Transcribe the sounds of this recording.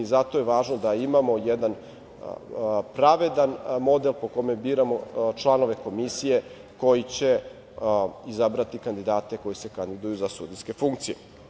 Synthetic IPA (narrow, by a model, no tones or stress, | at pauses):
zat̪oje̞ʋaːʒnod̪aimamo̞jed̪an | pɾaʋe̞d̪anmo̞d̪e̞lpo̞ko̞me̞biːɾamo̞t͡ʃlˠano̞ʋe̞ko̞misije̞ | ko̞jit͡ɕe̞ | izabɾat̪ikand̪id̪aːt̪e̞ko̞jise̞kand̪id̪ujuzasuːd̪iske̞fuŋkt̪sijḛ